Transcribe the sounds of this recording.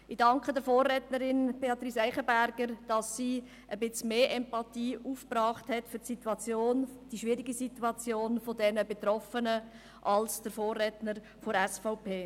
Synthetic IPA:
ɪd̥ɑŋkχədəɾfoːrːɛtnəɾɪnb̥eɑt̪riːsæɪχəbæɾɡ̥əɾd̥ɑsːiː | ʔəbɪt͡smeːʔɛmpɑtiːuːfprɑːχthɛtfʏɾtsitwɑt͡sjoːnd̥iʃʋiɾiɡisituɑt͡sjoːnfodɛnəbetrɔfənə | ʔɑlsd̥əɾfoːrɛtnəɾ | foɾɛsfaʊpʰeː

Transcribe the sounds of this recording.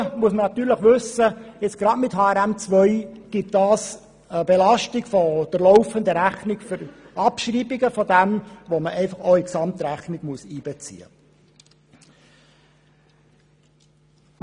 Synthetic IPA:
muəsmənɑt̪yːɾləχʋɵsːəjɪt͡sɡ̥ɾɑdmɪthɑːɛɾæmt͡sʋœʏɡ̥ɪt̚d̥ɑːs | əbelɑʃtɪɡ̥fɔd̥əɾlɔʊfənd̪əɾæχnɪɡ̥fʏɾ | ɑpʃriːbɪɡəfɔd̪ɛmʋoməʔɛɪfɑχoʊiksɑmt̪ɾæχnɪɡ̥muəsiːb̥ɛt͡sḭːə̰

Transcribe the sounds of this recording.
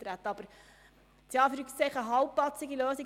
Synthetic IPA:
t̪ɾæt̪əɑb̥əɾ | t͡sjɑːfɾykt͡sɛɪχəɦɑwpːlɑt͡sːɪɡiløːsi

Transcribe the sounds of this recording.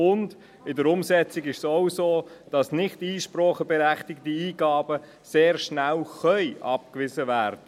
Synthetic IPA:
ʊnd | ɪdəɾʊmsɛt͡siɡɪʃsɔwsoːd̥ɑsnɪχtiːʃprɔχəbɛɾæχtɪktiiːɡ̥ɑːbə | seːɾʃnælχœʏʔɑp̚kʋɪzəʋæːɾd̥ə

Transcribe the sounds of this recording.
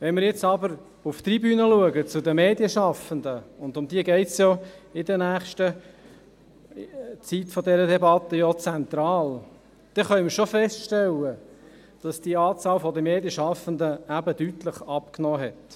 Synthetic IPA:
ʋɛnmɪɾjɛt͡sɑbəɾ | uft̪ribyːnəluəɡət͡sʊd̪əmeːdjəʃɑfənd̪əʊndʊmd̥̪iəɡɛɪtsjɔːɪdənæːχʃtə | t͡sitfɔd̪ɛɾədɛbɑt̪ːəjɔt͡sɛnt̪ɾɑːl | d̪̥ɛχœʏməɾʃofɛstʃtɛlːə | d̥ɑsd̥iɑːt͡sɑːlfɔdəmeːdjəʃɑfəndəæbəd̥yt̪ləχɑpknɔːɦɛt

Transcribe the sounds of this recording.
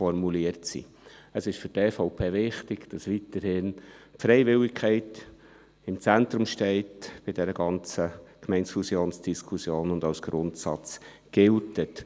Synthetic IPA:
fɔɾmuliəɾtsḭ | əsɪʃfʏɾtɛːfɔʊpʰeːvɪχtɪɡ̥d̥ɑsʋitəɾhɪnpfɾɛɪvɪlɪkkʰɛɪt | ɪmt͡sɛnt̪ɾʊmʃtɛɪtb̥ɪd̥ɛɾəɡɑnt͡səkmɛɪnsfusjoːnsd̥iskʰusjoːnʊndaʊsɡ̥ɾʊntsɑt͡s | ɡ̥ɪltət

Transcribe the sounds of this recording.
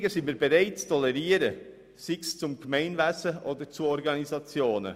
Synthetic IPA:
ɡəsɪnmiːɾbeʁaɪt̚t͡stʰɔlɛɾiːəɾə | sɪkst͡sʊmkmɛɪnvæsəʔoːdəɾt͡suɔɾɡɑnizɑt͡sjoːnə̰

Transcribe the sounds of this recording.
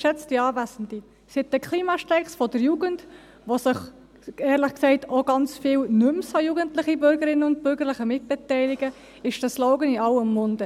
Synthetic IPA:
ʃɛt͡stiɑːvæsən̩di | sɪt̚ːəkʰχliːmɑʃtɛɪχsfɔdəɾjuːɡənd | ʋosəχ | ɛːɾləχksɛɪtoɡ̥ɑnt͡sfɪːlnʏmshɑjuːɡəntlɪχibʏɾɡəɾɪnːəʊnt̚bʏɾɡəɾlɪχəmɪt̚b̥ɛtɛɪlɪɡə | ɪʃd̥ɑslɔʊɡənɪɑwəmːʊndə

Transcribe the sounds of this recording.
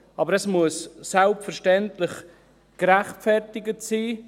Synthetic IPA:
ɑbəɾɛsmuəssalpfəɾʃtɛntlɪχ | kɾæχtfɛrtɪɡətsiː

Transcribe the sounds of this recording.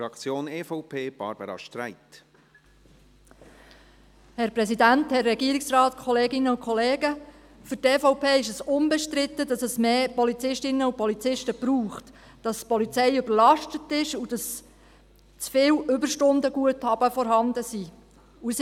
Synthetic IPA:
ɾɑkt͡sjoːnɛːfɔʊpʰeːb̥ɑ̰ɾb̥ə̰ɾɑ̰ʃtɾæ̰ɪt | hɛɾpɾɛsidænt̪hɛrːɛɡiəɾɪksrɑːt̪kʰχɔleːɡɪnəʊkʰχɔleːɡə | fʏrtɛːfɔʊpʰeːɪʃəsʊmbɛʃtɾɪt̪ːədɑsəsmeːpɔlit͡sɪʃtɪnːəupɔlit͡sɪʃtəb̥ɾuːχt | d̥ɑspɔlit͡sɛjʏbəɾlɑʃtətɪʃud̥ɑs | t͡sfɪːwʏbəɾʃtʊndəɡuəthɑb̥əfɔɾɦɑnd̪əsiː | us

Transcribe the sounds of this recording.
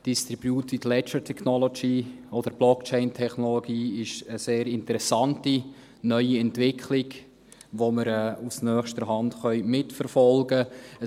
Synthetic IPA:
d̥istɾibjutʋitlɛt͡ʃətʰɛχnɔloɡiː | ɔd̪əɾb̥lɔkt͡ʃɛɪntʰɛχnɔloɡiːɪʃəseːɾɪntəɾɛsɑnti | nœʏiɛntvɪkʰχlɪɡ | ʋoməɾɛːusnœːχʃtəɾɦɑndχœʏmɪtfəɾfɔlɡəə

